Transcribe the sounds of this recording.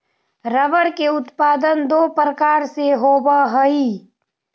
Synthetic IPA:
ɾəʋəɾkeʊt̪paːd̪ənd̪oːpɾəkaːɾseɦoːbaɦəiː

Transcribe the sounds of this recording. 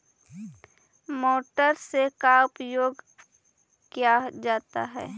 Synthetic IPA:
moːʈəɾsekaʊpjoːɡ | kjad͡ʒaːt̪aɦɛː

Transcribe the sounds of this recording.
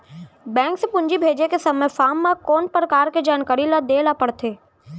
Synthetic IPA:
bɛ̃ːŋksepʊ̃ɲd͡ʒibʱeːd͡ʒekesɐməjfaːmːãkɔːnpɾəkaːɾked͡ʒaːnkəɾilad̪eːlapəɽt̪ʰeː

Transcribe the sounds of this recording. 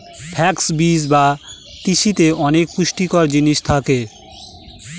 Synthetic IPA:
pʰɛksbid͡ʑba | t̪iʃit̪eʔɔnekːuʃʈikɔɾd͡ʑiniʃt̪ʰake

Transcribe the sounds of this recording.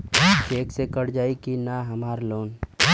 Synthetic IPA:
keːksekəɽd͡ʒaːikinaɦɐmaːɾloːn

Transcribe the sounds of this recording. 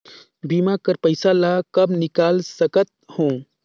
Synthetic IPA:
biːmakɐɾpəɪsalaːkɐbnɪkaːlsəkət̪̚hõː

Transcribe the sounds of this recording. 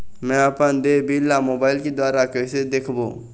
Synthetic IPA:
mɛ̃ɐpənd̪eːbilːamoːbaːɪlked̪waːɾakɛːsed̪eːkʰboː

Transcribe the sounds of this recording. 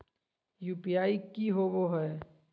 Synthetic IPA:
juːpijaːikiɦoboɦɛː

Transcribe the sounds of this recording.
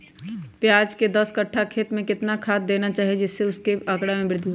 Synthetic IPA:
pjaːd͡ʒked̪ɐskɐʈʰːakʰeːt̪mẽkɪt̪nakʰaːt̪̚d̪eːnat͡ʃaːɦijed͡ʒɪsːeʊskeɐkɽamẽbɾɪd̪ʱjiɦ

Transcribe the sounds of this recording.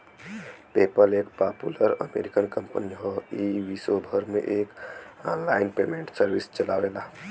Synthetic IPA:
peːpəleːk̚paːpṵləɾə̰mḛːɾɪkənkə̃mpəniɦoiʋisobʱəɾmḛ̃ʔeːkaːnlaːɪnpeːmẽɳʈsəɾwɪst͡ʃəlaːʋeːlaː

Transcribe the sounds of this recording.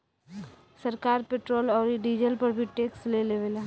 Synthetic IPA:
sɐɾkaːɾpeːʈɾoːlɔːɾɖid͡ʒəlpɐɾbʱiʈeːksleleʋəla

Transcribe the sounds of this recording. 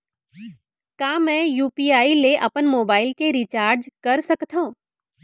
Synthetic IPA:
kaːmɛ̃juːpiːaːileʔɐpənmoːbaːɪlkeɾit͡ʃaːɾd͡ʒkɐɾsɐkt̪õ

